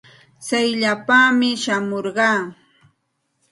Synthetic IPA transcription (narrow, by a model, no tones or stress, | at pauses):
t͡sajʎapamɪʃamoɾɢɑː